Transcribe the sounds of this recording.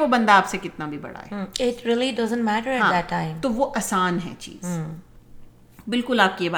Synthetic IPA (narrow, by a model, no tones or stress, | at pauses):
ʋobɐ̃nd̪aːpsekɪt̪nabʱibɐ̰ɽ̤a̰ɦɛɪʈɾiːlidɐzə̃nmæʈəɾɛɦãːdætʰːãɪ̃mt̪oʋoʔɐsaːnɦɛ̰̃t͡ʃḭːz | bɪlkʊlaːp̚kijebaː